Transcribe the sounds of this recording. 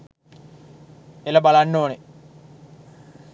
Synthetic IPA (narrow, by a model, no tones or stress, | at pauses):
eləbalanːoːne